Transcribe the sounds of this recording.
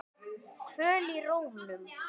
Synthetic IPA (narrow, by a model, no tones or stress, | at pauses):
kʰvœːliroːwhnʏm